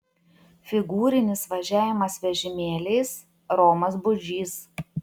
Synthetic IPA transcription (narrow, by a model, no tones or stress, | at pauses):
fʲɪɡuːɾʲɪnʲɪsʋɐʒʲæːʋʲɪmɐsʋʲɛʒʲɪmʲeːlʲeɪs | ɾɔːmɐsbʊd͡ʒʲiːs